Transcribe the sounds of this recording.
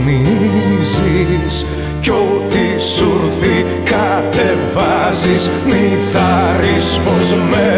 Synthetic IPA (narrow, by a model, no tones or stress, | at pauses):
nizis | cot̪i | suɾθi | kat̪evazis | miθaɾispozme